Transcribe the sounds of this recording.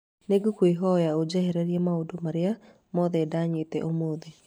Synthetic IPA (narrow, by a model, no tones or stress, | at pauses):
neɡokweɦɔjaod͡ʒɛhɛɾɛɾjɛmaodomaɾea | mɔðɛːdaɲetɛ̰ʔomoðe